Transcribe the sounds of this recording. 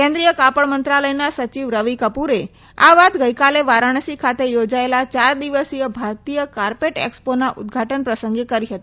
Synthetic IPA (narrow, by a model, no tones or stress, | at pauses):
kẽnd̪ɾijəkapəɭmənt̪ɾaləjnasət͡ʃiʋɾəʋikəpuɾe | a̰ʋat̪ɡəjkaleʋaɾaɽ̃sikʰat̪ejod͡ʒaelat͡ʃaɾd̪iʋəsijəbʱaɾt̪ijəkaɾpeʈḛksponaʔʊ̰d̪̚ɡʱaʈənpɾəsəŋɡekəɾiɦət̪ii̥